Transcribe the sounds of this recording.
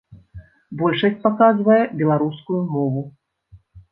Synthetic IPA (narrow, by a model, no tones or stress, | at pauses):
bɔlʲʂɐsʲt͡s̚ʲpakazvɐjɛbʲɛlˠaɾuskujumɔvu